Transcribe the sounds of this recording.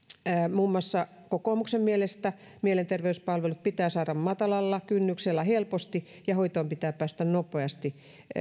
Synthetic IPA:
æmuːmːˑoɑsːɑ | kokoːˑmuksemmielest̪æ | mielent̪erʋeyspɑlʋelut̪̚pit̪æːsɑːɾɑmmɑt̪ɑlɑlːɑkynːykselːæhelpost̪i | jɑhoit̪oːmpit̪æːppæːst̪ænnopˑeɑst̪i

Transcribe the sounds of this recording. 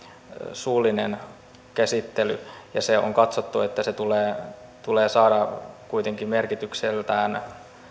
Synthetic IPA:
suːlːˑinen | kæsit̪ːely̰jɑseo̰ŋkɑt̪sot̪ːuet̪ːæset̪uleːt̪uleːsɑːdɑkuit̪eŋkimmerkit̪ykselt̪æːn

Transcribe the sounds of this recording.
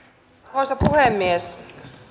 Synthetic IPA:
osɑpuhemːies

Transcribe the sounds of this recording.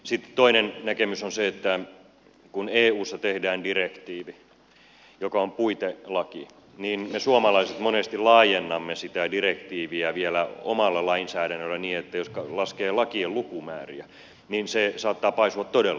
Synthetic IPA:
sit̪ːt̪oinennækemysonseet̪ːæ | kuneːuːsːɑt̪ehdæːndirekt̪iːʋi | jokɑompuit̪elɑki | niːnmesuomɑlɑiset̪monest̪ilɑːjenːɑmːesit̪ædirekt̪iːʋiæʋielæo̰mɑlːɑlɑinsæːdænːølːæniːet̪ːæjoskɑlɑskeːlɑkiellukumæ̰ːrḭæ | ninsesɑːt̪ːɑːpɑisuɑt̪t̪odelː

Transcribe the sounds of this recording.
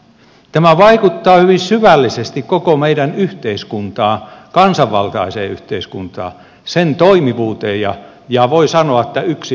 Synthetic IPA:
t̪æmæʋɑikut̪ːɑːhyʋinsyʋælːisest̪ikkokomeiɾænyht̪eiskunt̪ɑːkɑnsɑʋːɑ̰lt̪ɑisḛːyht̪eiskunt̪ɑ̰ː | sent̪oimiʋuːt̪eːjjɑ̰ | jɑʋoisɑnoɑet̪ːæyksi

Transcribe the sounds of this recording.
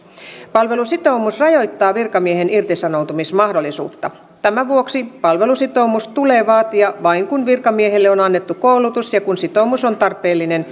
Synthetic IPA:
pɑlʋe̞lusit̪o̞umusrɑjo̞jt̪ːɑːʋirkɑmiehenirt̪isɑnowt̪umismɑhdo̞lːˑisṵːt̪ːɑ | t̪æmæʋuoksipɑlʋe̞lusit̪o̞umustt̪ule̞ːʋɑːt̪iɑʋɑiŋkunʋirkɑmiehelːeonɑnːet̪ːukoulut̪usjɑkunsit̪o̞umusont̪ɑrpːˑe̞ːlːinen

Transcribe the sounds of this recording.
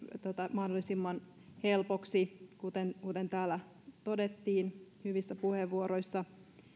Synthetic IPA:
t̪ot̪ɑmɑhdolːˑisimːɑn | helpoksikut̪enkut̪ent̪æːlːæ | t̪o̞det̪ːiːnhyʋisːæpuheʋːuoɾojsːɑ

